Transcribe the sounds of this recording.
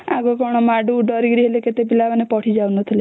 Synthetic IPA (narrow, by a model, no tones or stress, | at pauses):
aɡɔkɔɽ̃ɔmaɖuɖɔɾiɡɾiɦeleket̪epilabanepɔʈʰid͡ʒawnɔt̪ʰile